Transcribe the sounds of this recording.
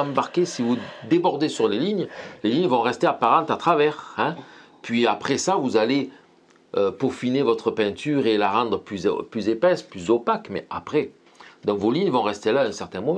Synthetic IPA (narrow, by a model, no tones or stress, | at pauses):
ɑ̃baʁkʲesivud̪ebɔʁd̪esyʁleliɲleliɲvɔ̃ʁɛst̪eapaʁɑ̃t̪at̪χavɛʁɛ̃ | pɥiapχɛsavuzale | øpofinevɔt̪χəpɛ̃t̪yʁelaʁɑ̃d̪ʁəplyzplyzepɛsplyzopakmɛapχɛ | d̪ɑ̃kvoliɲvɔ̃ʁɛst̪elaːɛ̃sɛʁt̪ɛ̃mɔm̃